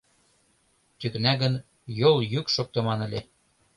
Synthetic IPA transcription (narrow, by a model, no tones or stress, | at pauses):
t̪yknæɣə̆n | joljykʃok̚t̪ɤ̆mɑnə̆lʲe